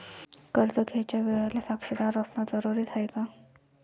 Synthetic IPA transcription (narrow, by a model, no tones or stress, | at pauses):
kəɾt̪əɡʱet͡ɕjaʋeɭalasaksid̪aɾəsnad͡zəɾuɾiːt̪ʰajka